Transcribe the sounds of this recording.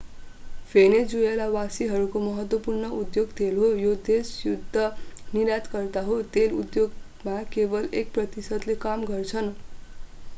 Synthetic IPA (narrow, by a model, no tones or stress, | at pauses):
pʰened͡zuelawasiɦʌɾukomʌɦʌt̪wʌpurnʌud̪joɡt̪ʰelɦojod̪esjud̪ʱːʌniɾjat̪kʌrt̪aɦot̪enṵd̪joɡ | makebʌlek̚prʌt̪isʌd̪lekamɡʌrt͡sʰʌn